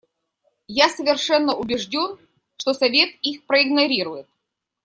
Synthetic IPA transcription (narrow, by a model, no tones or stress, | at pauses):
jasəvʲɪrʂɛnːəʔʊbʲɪʐdʲo̞n | ʂt̪osɐvʲe̞t̪ixpɾəɪɡnɐɾʲiɾʊjɪt̪̚